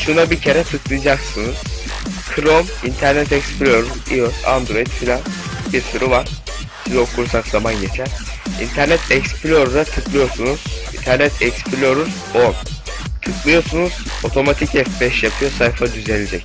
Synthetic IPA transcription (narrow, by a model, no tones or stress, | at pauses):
ʃunabicʰe̞ɾɛt̪ʰɯklˠɯjd͡ʒaksɯnɯz̥ | kʰɾomint̪ʰæɾnɛt̪ɛcspʰlʲoɾuziosa̰nd̪ɾo̞it̪filʲanbiɾsuɾɯvaɾ̥ | sizokʰuɾsakzamanɟe̞t͡ʃʰæɾḭnt̪ʰæɾnɛt̪ʰɛcsplʲo̞ɾd̪at̪ʰɯklˠɯjo̞ɾsunuz̥int̪ʰæɾnɛt̪ʰɛcspʰlʲoɾuz | on | t̪ʰɯklˠɯjo̞ɾsunuz̥o̞t̪ʰo̞mat̪ʰicɛfbɛʃjapʰɯjo̞sajfad̪yze̞nʲed͡ʒɛc